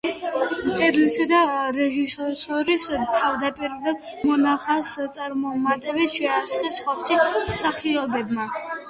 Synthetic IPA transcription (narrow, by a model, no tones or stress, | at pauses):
mt̪sʼɛd̪lisad̪aɾɛʒisɔsɔɾist̪ʰːavd̪apʼiɾulad̪ | mɔnaχast̪sʼaɾmɔmad̪ɛbit̪ʃɛaɾsχɛsχaχt͡ʃʰimsaχiɔbɛbma